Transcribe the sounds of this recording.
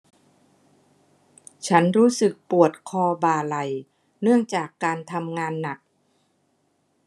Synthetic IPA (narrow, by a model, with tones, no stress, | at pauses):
t͡ɕʰa˦˥nɾuː˦˥sɯ˨˩k̚pu˨˩ət̪̚kʰɔː˧baː˨˩la˨˩j | nɯ˥˩əŋt͡ɕaː˨˩kːaː˧nt̪ʰa˧mŋaː˧nːa˨˩k̚